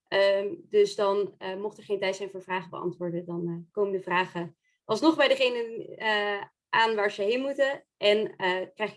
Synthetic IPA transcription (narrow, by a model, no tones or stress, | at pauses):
ʔədɵsdɑnəmɔχtɛɹχejntɛjtsɛjnvʊːɹvraːχəbə̰ɑ̰ntʋʊːɹdədɑnkowməndəvraːχə | ʔɑlˠsnɔχbɛjdəχejnənə | ʔaːnʋaːɹzəɦejnmutə | ʔɛnəkrɛjχ